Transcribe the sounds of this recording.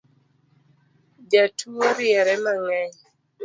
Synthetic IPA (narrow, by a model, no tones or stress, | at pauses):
d͡ʒatʰuoɾjɛɾɛmaŋɛɲ